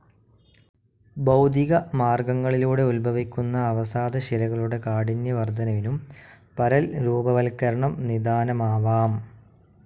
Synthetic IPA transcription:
bɐwd̪ʱiɣɐmaːrɡɐŋːɐɭiluːɽe̞ulbʱɐʋikʲːunːɐːʋɐsaːd̪ɐɕilɐɣɐɭuɽe̞kaːɽinjɐʋɐrd̪ʱɐnɐʋinum | pɐɾɐlɾuːbɐʋɐlkɐɾɐɳɐmnid̪aːnɐmaːʋaːm

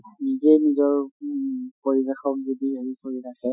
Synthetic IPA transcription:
nizejnizɔɹ | poɹibexɔkzodieɹisoɹitʰakɛ

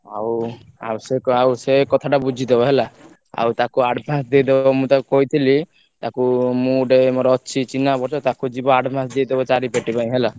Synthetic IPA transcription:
a̰wa̰wseawsekɔt̪ʰaʈabud͡ʒʱid̪ebɔɦela | a̰wt̪akuaɖbʱãsd̪ijd̪ebbɔmũt̪akukɔit̪ʰili | t̪akumũɖemoɾɔtːʃʰit͡ʃinabɔɾt͡ʃɔt̪akud͡ʒibɔaɖbʱãsd̪ijd̪ebɔt͡ʃaɾipeʈipaĩɦela

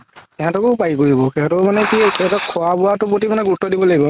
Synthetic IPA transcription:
ɛɦãtɔkʊpaikoɹibɔkɛɦãtɔmanɛkiɛtakʰɔabʊwatʊpotimanɛɡutːɔdibɔlaɡibɔ

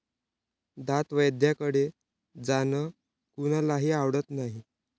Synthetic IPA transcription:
d̪at̪ʋəjd̪jakəɽe | d͡zanə | kuñalaɦiːaʋɽət̪naɦi

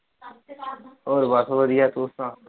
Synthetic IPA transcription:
oːɾbasoʋəd̪ijaːt̪oːsã

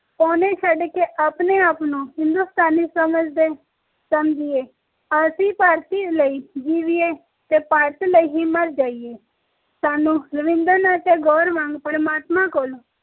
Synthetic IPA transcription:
pɔːneːʃəɖkeːʔaːpneːaːpnũːɦɪ̃nd̪uːst̪aːniːsəməd͡ʒd̪eː | səmd͡ʒɪeː | asiːpaːɾt̪iːləiːd͡ʒiːʋieː | t̪eːpaːɾt̪ləiːɦiːməɾd͡ʒaːieː | saːnũːləʋɪ̃nd̪əɾnat̪eːɡɔːɾmãːŋɡpəɾmaːt̪mãːkoːl

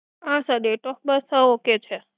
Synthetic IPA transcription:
ãsəd̪eʈɔk̚bəsəoket͡ʃʰe

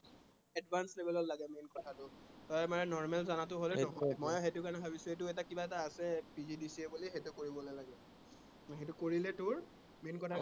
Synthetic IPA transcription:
ɛdbʱanslebɛlɔtlaɡɛmenkɔtʰatʊtɔjamaɹɛnɔɹmɛlzanat̬ʊɦolɛnɔɦɔjmɔjxetʊkanɛbʱabisʊ̃etʊɛtakibaɛtaːsɛpizidisiɛbulixetʊkoɹibɔlojlaɡɛ | ɦetʊkoɹilɛtʊɹ | menkɔtʰa

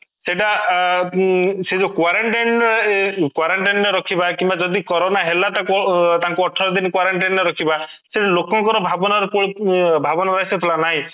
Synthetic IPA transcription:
seʈ̬a | sed͡ʒokwaɾaɳʈajnɾekwaɾaɳʈajnɔɾeɾɔkʰibakimbad͡ʒɔd̪ikɔɾonaɦelat̪akɔt̪aŋkuɔʈʰɔɾɔd̪inɔkwaɾaɳʈajnneɾɔkʰiba | seʈlokɔŋkɔɾɔbʱabɔnaɾɔkubʱabɔnɔɾajsɔt̪ʰilanaɦĩ

